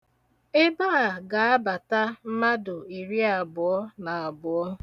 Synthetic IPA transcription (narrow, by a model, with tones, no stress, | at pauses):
e˦ba˦a˨ɡa˨a˦ba˨ta˦m̩˦ma˦dʊ˨i˨ɾi˦a˨bʊ˨ɔ˦na˨a˨bʊ˨ɔ˦